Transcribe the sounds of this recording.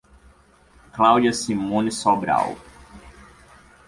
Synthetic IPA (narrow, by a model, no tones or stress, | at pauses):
klawd͡ʒiɐsimõnisobɾa̰w